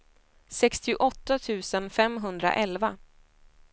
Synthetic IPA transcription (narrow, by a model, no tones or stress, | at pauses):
sɛkst̪ɪʊʔɔt̪ːat̪ʰʉ̟ːsənfɛmɦɵnd̪ɾa̰ʔɛlva